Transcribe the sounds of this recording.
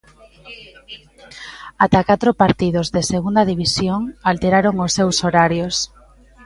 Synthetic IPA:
at̪akat̪ɾopaɾt̪iðozðeseɣund̪aðiβ̞isjoŋalt̪eɾaɾoŋosːewsoɾaɾjos

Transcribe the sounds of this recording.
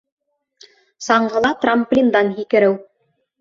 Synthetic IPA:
sɑɴɢɤ̆lˠɑt̪ramplʲind̪ɑnɦikɘ̆ɾɘw

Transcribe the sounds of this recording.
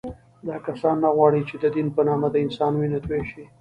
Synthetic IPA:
d̪ɑkasɑnːaɣwɑɽit͡ʃed̪əd̪inpənɑmad̪əɪnsɑnwinat̪weʃi

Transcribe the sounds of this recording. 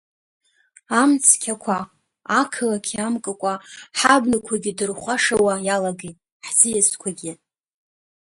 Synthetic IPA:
amt͡sʰkʲʰakʷʰa | akʰɨlakʲʰamkʼɨkʷʼaħabnɨkʷʰaɡʲidɨrχʷaʂawajalaɡejtʼ | ħzɨjaskʷʰaɡʲɪ

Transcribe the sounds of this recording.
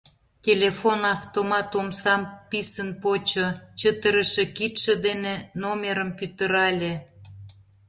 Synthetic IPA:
tʲelʲefonɑft̪omɑt̪omsɑmpisənpot͡ɕot͡ɕət̪əɾəʃĕkit̪ʃĕd̪enenomʲeɾəmpyt̪ə̆ɾɑlʲe

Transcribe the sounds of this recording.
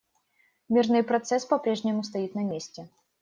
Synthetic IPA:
mʲirnɨjpɾɐt̪sɛspɐpɾʲɛʐnʲɪmʊst̪ɐjit̪nɐmʲesʲt͡sʲɛ

